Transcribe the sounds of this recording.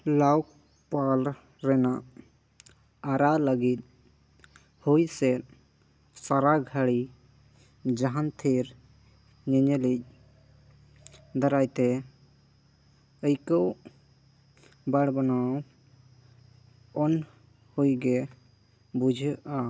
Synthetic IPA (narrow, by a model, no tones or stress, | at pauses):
lawk̚ | pal | ɾɛnaʔ | ɾaləɡit̪̚ | hujsɛ | saɾaɡʱaɽi | d͡ʒaɦant̪ʰeɾ | ɲəɲəlic̚ | d̪aɾajt̪ɛ | əjkəw | baɽbanaw | ɔn | hujɡɛ | bud͡ʒʱəʔa